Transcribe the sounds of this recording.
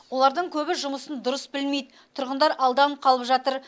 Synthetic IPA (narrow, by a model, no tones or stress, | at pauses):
wo̞lˠɑɾd̪əɴkʲʰɵbɪʒʊməsənd̪ʊɾəsbɪlme̞jd̪ɪt̪ʰʊɾʁənd̪ɑɾɑlˠd̪ɑɴqʰɑlˠəpʒɑt̪əɾ